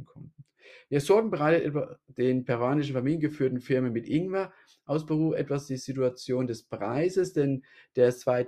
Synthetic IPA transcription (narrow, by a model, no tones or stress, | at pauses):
kʰɔm̩ | ʔeːɐzɔɐɡŋ̩bəʁaɪtətɛad̥eːnpʰɛʁoaːnɪʃn̩faɐmiːljənɡəfyːɐtn̩fɪɐmənmɪtʔɪŋva | ʔaʊsb̥əʁuːʔɛtv̥asd̥iːzituat͡sjoːndɛspʁ̥aɪzəsd̥ɛnd̥eːɐt͡sv̥aɪ